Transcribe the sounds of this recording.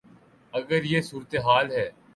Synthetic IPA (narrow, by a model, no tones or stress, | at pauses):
ɐɡəɾjeːsuːɾət̪eɦaːlɦɛː